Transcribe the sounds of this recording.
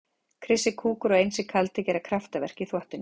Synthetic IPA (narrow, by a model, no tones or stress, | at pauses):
kʰɾɪsɪkʰuːkʏɾɔɣejnsɪkʰalt̪ɪcɛːɾakʰɾaft̪avɛ̰r̥ciθwɔht̪ɪn